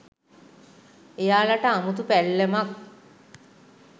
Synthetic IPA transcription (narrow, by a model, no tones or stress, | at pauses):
ejaːlaʈəamut̪upælːemak